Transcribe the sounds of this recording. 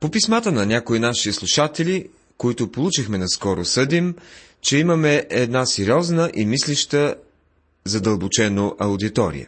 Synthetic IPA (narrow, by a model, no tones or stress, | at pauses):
popismat̪ənɐnʲakoinaʃislˠuʃat̪ɛlʲi | koit̪ʊpolˠut͡ʃixmɛnɐskɔɾosɤd̪im | t͡ʃɛimɐmɛʔɛd̪nasɛɾiɔznəʔimisliʃt̪ə | zɐd̪əlˠbot͡ʃɛnoʔɐʊd̪it̪ɔɾḭjə̰